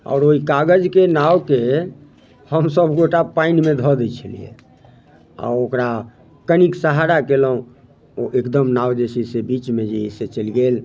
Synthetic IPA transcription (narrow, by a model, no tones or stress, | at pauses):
ɔ̰ːɾoikaɡəd͡ʒkenawke | həmsəbʱɡoʈapainmed̪ʱɔd̪ɛt͡ʃʰəlḭjḛ | a̰okɾa | kəniksaɦaɾakeləɦũ | oʔekd̪əmnawd͡ʒesisebit͡ʃmed͡ʒeiset͡ʃəlɡel